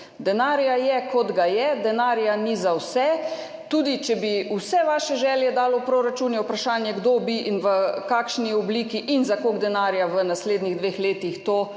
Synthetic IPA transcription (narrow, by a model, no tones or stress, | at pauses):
d̪ɛnaːɾjajɛkɔd̪ɡajɛd̪ɛnaːɾjanizawsɛ | t̪uːd̪it͡ʃɛbiusɛʋaːʃɛʒɛːljɛd̪aːlɔwpɾoːɾat͡ʃuːnjɛwpɾaʃaːnjɛɡd̪oːbiʔinʋəkaːkʃniɔbliːkiʔinzakoɡd̪ɛnaːɾjaʋənasleːd̪niɣd̪ʋeːxleːt̪ixt̪oː